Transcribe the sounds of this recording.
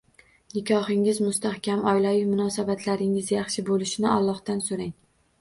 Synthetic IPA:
nɪkʲʰɒhɪŋɪzmʊst̪ahkʲamɒjlajɪmʊnɒsabat̪ʰlaɾɪŋɪzjɑχʃɪbolɪʃɪnɪalˠːɒht̪ansoɾaŋ

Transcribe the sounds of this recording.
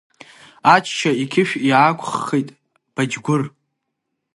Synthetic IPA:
at͡ʃʰʃaikʲʰɪʃᶣiʕakʷʰʼχːejtʼ | b̥ad͡ʒɡʷʊr

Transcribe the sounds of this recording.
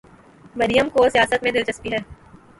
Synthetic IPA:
mɐɾijəmkoːsijaːsət̪mẽd̪ɪlt͡ʃəspiɦɛː

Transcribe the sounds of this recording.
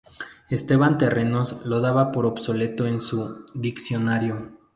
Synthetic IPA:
e̞st̪e̞βant̪e̞re̞no̞slo̞ðaβapo̞ɾo̞bso̞le̞t̪o̞ensuðiksjo̞naɾjo

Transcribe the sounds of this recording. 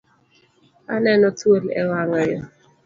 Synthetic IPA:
anɛnɔt̪wolɛ̰waŋɔjɔ

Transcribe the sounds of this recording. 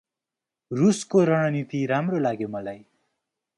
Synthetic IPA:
ruskoɾʌɽ̃ʌnit̪iɾamrolaɡjomʌlaj

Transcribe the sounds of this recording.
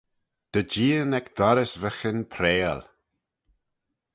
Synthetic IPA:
d̪̥əd͡ʒiːənɛkd̪aɾəsvəxənpʰɾɛːl

